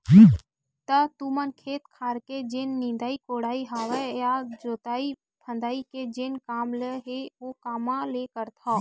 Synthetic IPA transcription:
d͡ʒi | t̪ət̪umənkʰeːt̪kʰaːɾked͡ʒenːĩnd̪aːikoːɽaːiɦaːʋəjad͡ʒoːt̪aːi | bʰʱə̃nd̪aːiked͡ʒenkaːmləɦeokaːmãlekəɾt̪ʰa

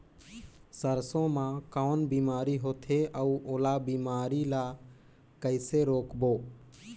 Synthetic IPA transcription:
səɾsõːmãːkaːnbiːmaːɾiːɦoːt̪ʰeːʔəuːoːlaːbiːmaːɾiːlaː | kəɪseːɾoːkboː

